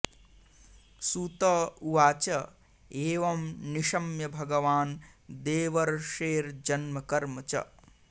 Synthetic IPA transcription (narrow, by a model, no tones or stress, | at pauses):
suːt̪ɐuʋaːt͡ʃɐ | eːʋɐmniʃɐmjɐbʱɐɡɐʋaːnd̪eːʋɐɾʂeːɾd͡ʒɐnmɐkɐɾmɐt͡ʃɐ̰